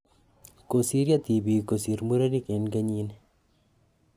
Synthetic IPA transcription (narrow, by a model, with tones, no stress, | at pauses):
ko˨si˦ɾja˦t̪i˨bi˨ko˨si˨ɾmu˦ɾa˦ni˦ke˨nɡɐ˦ɲi˧n